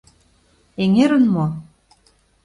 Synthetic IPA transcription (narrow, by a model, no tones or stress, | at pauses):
eŋeɾə̆nmo